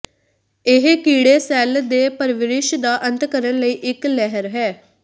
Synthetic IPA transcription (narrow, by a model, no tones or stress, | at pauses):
ɪɦkiːɽeːsɛːld̪eːpəɾʋɪɾɪʃd̪aːʔə̃nt̪kəɾənləiːʔɪklɛɦəɾɦɛː